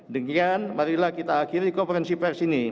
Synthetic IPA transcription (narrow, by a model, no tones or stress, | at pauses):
dəŋanmaɾilahkit̪aːkiɾikomfəɾɛnsipɛrsini